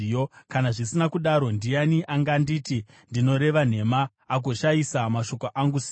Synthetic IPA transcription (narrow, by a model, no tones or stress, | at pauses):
jokanaʐisinakuɗaɾo̞ndijaniʔaŋɡandiːti | ndino̞ɾe̞ʋan̤e̞maː | k̬oʃajisamaʃo̞koʔaŋɡusi̥